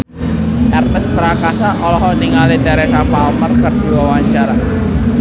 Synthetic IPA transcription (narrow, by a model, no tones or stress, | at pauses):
ɛrɛspəɾakasaʔɔlɔɦɔniŋalit̪ɛɾɛsapalmərkərd̪̥iwawaɲt͡ʃaɾa